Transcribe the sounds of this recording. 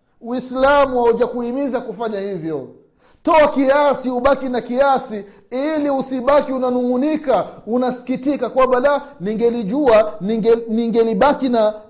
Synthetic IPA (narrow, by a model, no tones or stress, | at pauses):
wislamuhauʄakuimizakufaɲahivjɔ | tɔakijasiuɓakinakijasi | iliusiɓakiunanuŋunikaunasi̥kitikakwaɓalaniŋɡɛliʄua | niŋɡɛliɓakina